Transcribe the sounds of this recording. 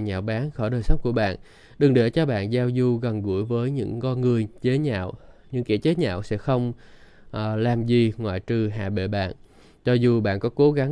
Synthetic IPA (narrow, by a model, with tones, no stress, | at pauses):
ɲa̰ː˧˨wɓaː˨˦nxɔː˧˩ɗəː˨˩jsə˨˦wŋ͡mku˧˩əɓa̰ː˧˨n | ɗɨ˨˩ŋɗe˧˩t͡ɕɔ˧ɓa̰ː˧˨nzaː˧wzu˧ɣə˨˩nɣu˧˩əjvəː˨˦jɲɨ̰˧˥ŋkɔ˧nŋɨ˨˩əjt͡ɕe˨˦ɲa̰ː˧˨wɲɨ̰˧ŋkḭ˧˩t͡ɕe˨˦ɲa̰ː˧˨wsɛ̰˧˥xə˧wŋ͡m | ʔːlaː˨˩mzi˨˩ŋwa̰ː˧˨jt͡ɕɨ˨˩ɦa̰ː˧˨ɓḛ˧˨ɓa̰ː˧˨n | t͡ɕɔ˧zu˨˩ɓa̰ː˧˨nkɔ˨˦ko˨˦ɣa˨˦